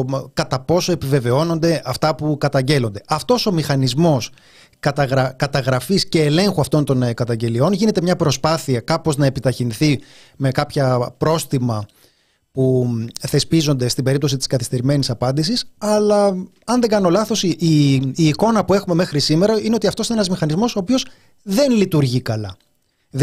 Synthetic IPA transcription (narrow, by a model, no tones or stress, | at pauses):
kɐt̪ɐpo̞so̞e̞pive̞ve̞o̞no̞nd̪e̞ʔɐft̪ɐpukɐt̪ɐɲɟe̞lo̞nd̪e̞ʔɐft̪o̞so̞mixɐnizmo̞s | kɐt̪ɐɣɾɐkɐt̪ɐɣɾɐfisce̞ːle̞ŋxuɐft̪o̞nt̪o̞nkɐt̪ɐɲɟe̞lio̞nʝine̞t̪e̞mɲɐpɾo̞spɐθiɐkɐpo̞znɐe̞pit̪ɐçinθi | me̞kɐpçɐpɾo̞st̪imɐ | puθe̞spizo̞nd̪e̞st̪ibe̞ɾip̚t̪o̞sit̪iskɐθi̥st̪e̞ɾime̞nisɐpɐnd̪isisɐlɐ | ɐnðe̞ŋɡɐno̞lɐθo̞siʔiːko̞nɐpue̞xume̞me̞xɾisime̞ɾɐine̞ot̪iɐft̪oinee̞nɐzmixɐnizmo̞so̞ːpio̞s | ðe̞nlit̪uɾʝikɐlɐ̰